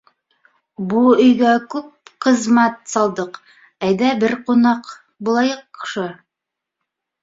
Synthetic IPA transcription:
buɵ̆jɡækʉp̚qɤ̆zmæt̪̚sɑlˠd̪ɤq | æjd̪æbɘɾqunɑq | bulˠɑjɤqːʃɤ

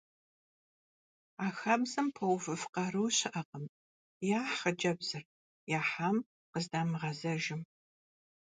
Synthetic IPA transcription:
aːxɐbzɐmpʰɐwfɨfqɐɾɨwɕɪʔɐqəm | jaːħɐd͡ʒɐbz̥ɨr | jaːħaːm | qəzdaːmɨʁɐzɐʒɪm

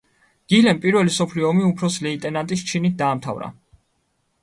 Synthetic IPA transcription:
ɡ̪̥ilɛmpʼiɾvɛlisɔpʰliɔːmiupʰɾɔslɛit̪ʼɛnant̪ʼist͡ʃʰinit̪̚ʰd̪aːmt̪ʰa̰vɾa̰

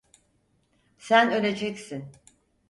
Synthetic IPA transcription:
sænø̞lʲe̞d͡ʒɛcsin

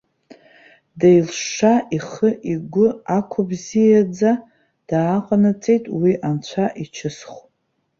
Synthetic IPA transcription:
dajlʂʂaʔiχəʔiɡʷʊakʷʰʊbzijad͡za | d̥aːqʼanat͡sʼejtʼwiʔant͡ɕʷʰaʔit͡ʃʰɪsχʷ

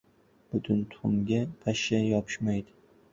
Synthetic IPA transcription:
b̥ʊt̪ʰʊnt̪ʰʊʊmɡʲapʰaʃajɒpʰɪ̥ʃmajd̪ɪ

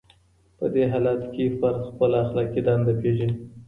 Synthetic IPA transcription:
pəd̪eɦɑlɑt̪kefaɾd̪xpəlaxlɑkid̪ɑnd̪apeʒi

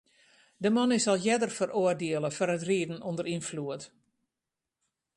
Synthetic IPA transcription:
dəmɔnɪsɔlˠjɛdərfərʔoərdeəlˠəfɔrətriːdn̩ondəɾinfluət

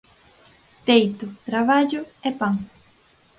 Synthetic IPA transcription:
t̪ejt̪ʊt̪ɾaβaʎʊɛpaŋ

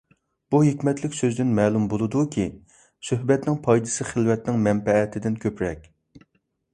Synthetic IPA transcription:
b̥uɦekʲmɛt̪lɪkʲsøzd̪ɪnmɛːlˠumbolˠɨd̪ukʲʰi | søɦbɛt̪nɪŋpʰɑjd̪ɨsɨχəlˠwɛt̪nɪŋmɛmbɛːt̪ʰɪd̪ɪnkʲʰøpɾɛk̚ʲ

